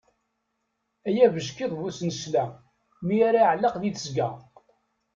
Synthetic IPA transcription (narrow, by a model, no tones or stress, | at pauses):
æjævəʒkiðˤvusnəslæ | miaɾaʕlːɑqðiθəsɡæ